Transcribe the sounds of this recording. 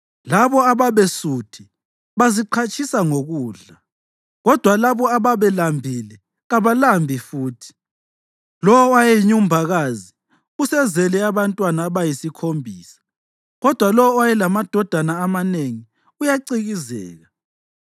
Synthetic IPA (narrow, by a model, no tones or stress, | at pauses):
laβɔaβaβesutʰi | βaziǃʰat͡ʃʰʼisaŋoɣuːɮa | ɣɔd̥ʱwalaβɔaβaβɛlambʱilɛ | ɣaβalambʱifuːtʰi̥ | lɔwɔwajɛiɲum̩bʱaɣaːzi | usɛzɛlɛaβantʼwanaβajisikʰombʱiːsḁ | ɣɔd̥ʱwalɔwwajɛlamad̥ʱɔd̥ʱanaːmaneŋi | ujaǀiɣizɛ̰ːɣa